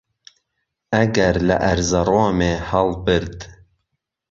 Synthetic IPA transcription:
æɡæɾlɛ̰ʔæɾzɑɾoːmeːhɑlbɨɾd̪

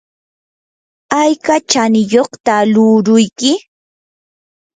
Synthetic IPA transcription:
ajkat͡ʃanɪjoχt̪alʊɾʊjkɪ

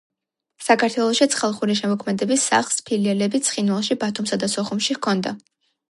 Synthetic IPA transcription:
sakʰaɾt̪ʰwɛlˠɔʃit̪sʰχɛlˠχuɾiʃ̬ɛmɔkʰmɛd̪ɛbisːa̰χlˠspʰiliɛlɛbit̪sʰχinvalˠʃibat̪ʰumsad̪asɔχumʃihkʰɔnd̪a

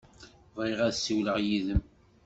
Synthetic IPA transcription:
vɾiʁæðsiwləʁjiðəm

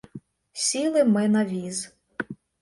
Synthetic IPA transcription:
sʲilˠɪmɪnɐʋʲiz

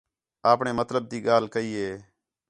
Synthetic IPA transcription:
aːpɳeːmət̪ləb̚t̪iːɠaːlkəiːeː

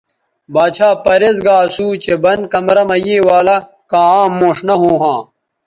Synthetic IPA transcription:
baːt͡ɕʰaːpɐɾezɡaːsuːt͡ɕebɐnkɐmɾɐmɐjeːwaːlɐ | kãːmːõːʂnɐɦoːɦãː

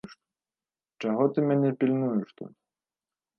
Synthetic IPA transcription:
ʂt̪ | t͡ʂaɦɔt̪ɨmʲanʲɛpʲilʲnujuʂt̪ɔ̰tʲ

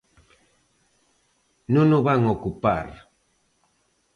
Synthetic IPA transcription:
nʊnʊβaŋokupa̰ɾ

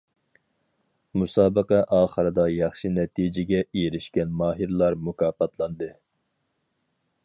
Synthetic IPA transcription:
musɑːbəqæʔɑːχəɾɨd̪ɑjɑχʃinɛt̪ʰid͡ʒɪɡʲɛʔejɾɪʃkʲɛnmɑːɦɨɾlˠɑɾmukʰɑːpɑt̪lˠɑnd̪ɨ

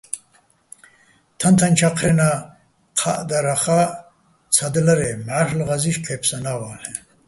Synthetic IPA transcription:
t̪ʰant̪ʰant͡ʃʰaqʰɾɛna | qʰaʔd̪aɾaχa | t͡sʰad̪laɾɛmʕaɾlʁaziʃpʰɛpʰsanawaːlɛ

